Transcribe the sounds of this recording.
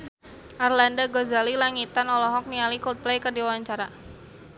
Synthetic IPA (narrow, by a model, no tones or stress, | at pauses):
ʔarlandaɡɔzalilaŋit̪anɔlɔɦɔk̚nialikɔlt̪̚plɛjkərdiwawaɲt͡ʃaɾa